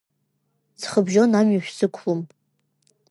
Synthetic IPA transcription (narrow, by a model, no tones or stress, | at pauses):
t͡sʰχəbʒonamɥaʃʷᶣsɨkʷʰlum